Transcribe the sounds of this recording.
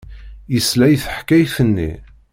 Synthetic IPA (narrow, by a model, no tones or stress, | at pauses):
jəslæjθəħkːæjθənːḭ